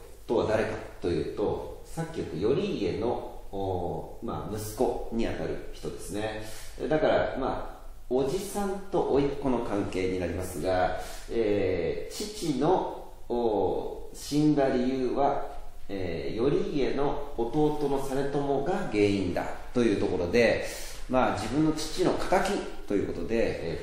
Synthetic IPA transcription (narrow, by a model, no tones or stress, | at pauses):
t̪o̞βad̪aɾe̞kat̪ːo̞jɯ̟̰ːt̪o̞sakʲːiɯt̪ːojo̞ɾʲiːe̞no̞ | ma̰mɯ̟sɨ̥ko̞ɲ̟iat̪aɾɯ̟̰çi̥t̪o̞d̪e̞sɨne̞̰d̪akaɾa̰ma̰ | o̞d͡ʑisãnt̪o̞ʔoikːo̞no̞kãŋke̞ːɲ̟inaɾʲimasɨɡaeːt͡ɕit͡ɕino̞ː | ɕĩŋɡaɾʲijɯ̟ːβaeːjo̞ɾʲiːe̞no̞ːt̪o̞ːt̪o̞no̞sane̞t̪o̞mo̞ɡaɡe̞ːĩnd̪a̰t̪o̞jɯ̟ːt̪o̞ko̞ɾo̞d̪e̞ | mad͡ʑibɯ̟̃nːo̞t͡ɕi̥t͡ɕino̞kḁt̪akʲi | t̪o̞jɯ̟ːko̞t̪o̞d̪e̞